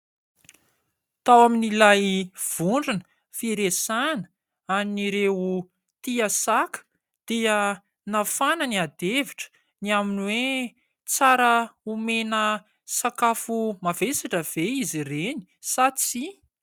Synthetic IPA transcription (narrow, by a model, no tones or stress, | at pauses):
t̪awaminilajv̥uɳɖ͡ʐinə̥ | fiɾesanə̥ | aniniɾeu | t̪iəsakə̥ | d̪̥eə | nafanəniad̪eviʈ͡ʂə̥ | niaminwe | t͡saɾəumenə | sakafumavesaʈ͡ʂəv̥eizireni̥ | sat͡si